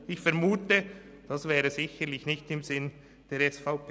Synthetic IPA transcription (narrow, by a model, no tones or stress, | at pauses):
ɪçfɛɾmuːtə | d̥ɑsvɛːʁəzɪçəlɪçnɪçtɪmzɪn | d̥eːɾɛsfaʊpː